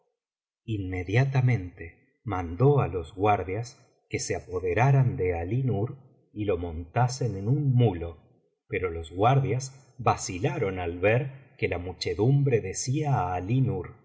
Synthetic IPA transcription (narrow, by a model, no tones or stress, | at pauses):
inme̞ðjat̪amẽ̞nt̪e | mand̪o̞alo̞zɣwaɾðjas | ke̞seapo̞ðe̞ɾaɾand̪e̞alinuɾ | ilo̞mo̞nt̪ase̞nenunmulo̞ | pe̞ɾo̞lo̞zɣwaɾðjas | βasilaɾo̞nalβeɾkelamut͡ʃe̞ðumbɾe̞ðe̞siaːlinuɾ